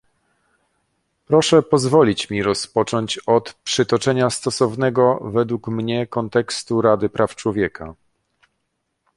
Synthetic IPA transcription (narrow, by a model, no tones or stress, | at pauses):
pɾɔʂɛpɔzvɔlʲit͡ɕmʲiɾɔspɔt͡ʂɔɲt͡ɕɔt̪pʂɘt̪ɔt͡ʂɛɲast̪ɔsɔvnɛɡɔvɛd̪wukmɲɛkɔnt̪ɛkst̪uɾad̪ɘpɾʔaft͡ʂwɔvʲjɛkʰa